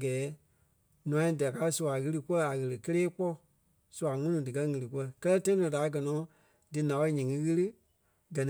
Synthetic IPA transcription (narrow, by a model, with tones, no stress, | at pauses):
ɡɛː˨˦ | nũ˨ã˨˦ĩ˧˨da˨ka˧˦su˧˨a˨ɣɨ˦lɨ˧ku˦ɛ˦a˨ɣə˨lɨ˨kə˦leː˦k͡pɔ˦˨ | su˨˧a˨ŋũ˦nũ˧dɨ˨kɜ˧˦ŋɨ̃˨lɨ˨k̬u˦ɛ˦kɜ˦lɜ˦tã˦ĩ˦nɔ̃˨da˨˦ɡɜ˨nɔ̃ː˨˦ | dɨ˨nã˨wɔ˦i˦ɲĩ˨ŋɨ̃˦ɣɨ˦lɨ˦ | ɡɜ˨nĩ˨˦